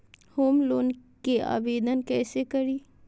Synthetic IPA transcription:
hoːmloːnkea̰ːʋeːd̪ənkɛːsekɐɾiː

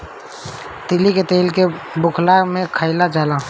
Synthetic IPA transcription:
t̪ɪliket̪eːlke | bʊkʰlaɡmẽkʰəɪlad͡ʒaːla

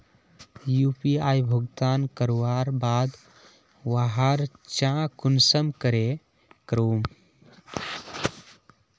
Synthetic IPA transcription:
jupiaːjbʱuɡt̪aːnkəɾuwaːɾbaːd̪ | waɦaɾt͡ʃãkunsəmkəɾe | kɾoːm

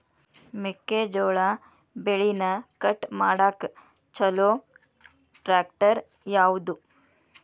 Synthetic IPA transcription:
mekːed͡ʒoːɭaː | beɭinɐkɐʈmaːɽaːk | t͡ʃɐloː | ʈɾaːkʈɐɾ | jaːwud̪u

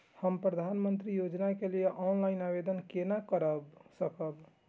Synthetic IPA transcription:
həmpɾəd̪ʱanmənt̪ɾijod͡ʒnakelijeʔɔnlainabed̪ənkenakəɾəbsəkəb

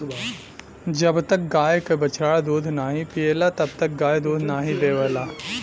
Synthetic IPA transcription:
d͡ʒɐbt̪ɐk̚ɡaːjkebɐt͡ʃaːɽd̪uːd̪ʱnaːɦĩpieːlat̪ɐbt̪ɐk̚ɡaːjd̪uːd̪ʱnaːɦĩbeːʋəlaː

